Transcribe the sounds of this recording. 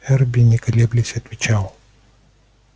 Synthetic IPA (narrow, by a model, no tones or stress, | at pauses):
ɛrbʲinʲɪkɐlʲeblʲɪsʲɐt̪vʲɪt͡ɕalˠ